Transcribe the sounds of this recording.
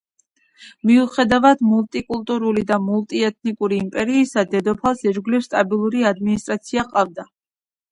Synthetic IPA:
miuχɛd̪avad̪mulˠt̪ʼikʼulˠt̪ʼuɾulid̪amulˠt̪ʼiɛt̪̚ʰnikʼuɾiːmpʼɛɾiːsad̪ɛd̪ɔpʰalˠsɛd͡ʒɡlifst̪ʼabilˠuɾiad̪minist̪ʼɾat̪sʰiaqʼavd̪a

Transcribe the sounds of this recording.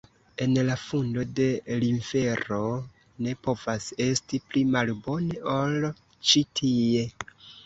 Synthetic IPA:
e̞nlafundo̞de̞liɱfe̞ɾo̞ | ne̞po̞vase̞stiplimalbo̞ne̞ʔol | t͡ʃitʰie̞

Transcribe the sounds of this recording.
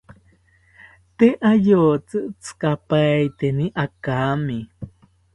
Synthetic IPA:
t̪eʔajoːt͡sɨʔt͡skapajt̪eniʔakami

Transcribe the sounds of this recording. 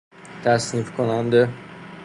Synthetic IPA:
t̪ʰæsnifkʰonænd̪e

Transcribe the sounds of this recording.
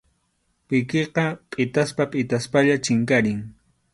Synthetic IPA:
pɪkeqɑpʼɪt̪aspapʼɪt̪aspaʎat͡ʃɪŋkaɾɪŋ

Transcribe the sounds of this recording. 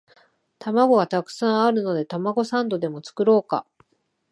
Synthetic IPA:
t̪amaɡo̞ɡat̪akɯ̟̥sãɰ̃aɾɯ̟no̞d̪e̞t̪amaɡo̞sãnd̪o̞d̪e̞mo̞t͡sɨ̥kɯ̟ɾo̞ːka̰

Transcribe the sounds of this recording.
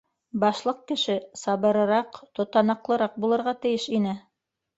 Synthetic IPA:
bɑʃlˠɤq̚kɘ̆ʃɘsɑβɤ̆ɾɤ̆ɾɑqt̪ŏt̪ɑnɑqlˠɤ̆ɾɑq̚bulˠɤ̆ɾʁɑt̪ɘ̆jɘʃinɘ

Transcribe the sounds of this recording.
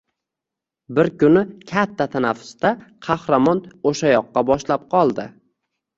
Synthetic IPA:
bɪɾkʊnɪkʲʰat̪ʰːat̪ʰanafːʊ̥st̪aqʰɑhɾamɒnoʃajɒqːɑbɒʃlap̚qʰɒlˠd̪ɪ

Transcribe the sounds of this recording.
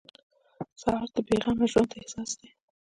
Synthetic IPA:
sɑɑɾd̪̥əbeɣɑmeʒwand̪ehsɑsd̪e

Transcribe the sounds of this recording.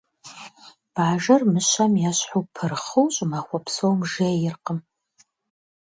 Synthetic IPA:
b̥aːʒɐrmɨɕɐmjaɕħupʰɨrχuwɕʼmaχʷɔpsowmʒejɪrqəm

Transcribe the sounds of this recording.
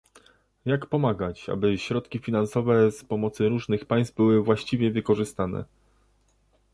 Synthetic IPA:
jakpɔmaɡat͡ɕa̰bɘɕɾɔt̪kʲifʲinansɔvɛspɔmɔt̪sɘɾuʐnɘxpajst̪̚bɘwɘvwaɕt͡ɕivʲjɛvɘkɔʐɘst̪anɛ̰

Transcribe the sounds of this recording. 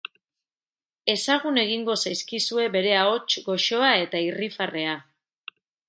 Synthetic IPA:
e̞saɣune̞ɣ̞iŋɡo̞sajskisue̞βe̞ɾe̞ao̞t͡ʃɡo̞ʃo̞ae̞t̪airifare̞a

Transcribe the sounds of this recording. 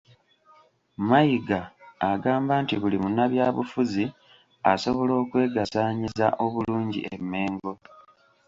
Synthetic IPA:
majiɡaːɡaːmbaːntiβulimunaβjaːβufuzi | a̰so̞βo̞lo̞ːkwe̞ːɡasaːɲizaʔo̞βuluːɲɟḭemːe̞ːŋɡo̞

